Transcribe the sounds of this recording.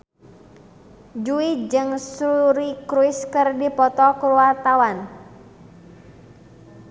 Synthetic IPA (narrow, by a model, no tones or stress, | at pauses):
d͡ʒuid͡ʒɨŋsuɾikɾuɪskɨrdipɔt̪ɔkɾuart̪awan